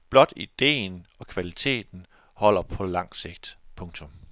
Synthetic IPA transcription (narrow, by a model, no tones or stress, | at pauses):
b̥lɒ̽d̥id̥e̝̰ːnɒ̽kʰʋælit͡sʰe̝̰ːd̥n̩ | hɒ̽l̰ɐpʰɒ̽lɑ̈ŋ̰se̝ɡ̥̚d̥pʰɔ̽ŋt͡sʰɔm